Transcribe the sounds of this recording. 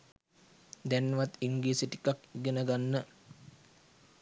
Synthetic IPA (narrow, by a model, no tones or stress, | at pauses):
d̪ɛnːʋat̪iŋɡiːsiʈi̥kakiɡənəɡanːə